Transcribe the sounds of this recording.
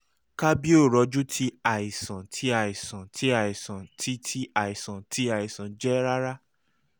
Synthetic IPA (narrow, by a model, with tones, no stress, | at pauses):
ka˦bi˦o˦˨ɾɔ˨˧d͡ʒu˦tʰi˧a˨i˨sã˨tʰi˧˦a˦˨i˨sã˨tʰi˧˦a˦˨i˨sã˨tʰi˨˦tʰi˧˦a˨i˨sã˨tʰi˧˦a˨i˨sã˨d͡ʒɛ˦ɾa˦ɾa˦